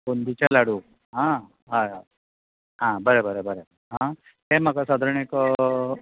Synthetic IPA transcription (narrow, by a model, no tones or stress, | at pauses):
kond̪it͡ɕalaɽu | ɦã | ɦaɦa | ɦãbəɾebəɾebəɾe | ɦã | ɦemakasad̪ʱəɾɳekɔ